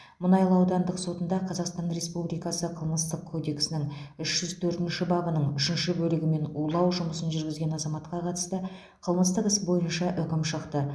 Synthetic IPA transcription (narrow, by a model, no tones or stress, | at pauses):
mʊnɑjlˠəɑwd̪ɑnd̪əqso̞t̪ənd̪ɑqʰɑzɑqst̪ɑnre̞spublijkɑsəqʰəlˠməst̪əqʰːo̞d̪e̞ksɪnɪŋʏʃʒ̥ʏzt̪ʰɵɾt̪ɪnʃɪbɑbənəɴʏʃɪnʃɪbɵlɪɡʲɪme̞nulˠɑwʒʊməsənʒʏɾɡʲɪzɡʲe̞nɑzɑmɑt̪qɑqʰɑt̪ə̥st̪ə | qʰəlˠməst̪əqəsbo̞jənʃɑʔʏkʲɪmʃəqt̪ə